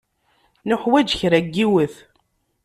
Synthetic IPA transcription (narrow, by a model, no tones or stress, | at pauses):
nʊħwæd͡ʒçɾæɡːiwəθ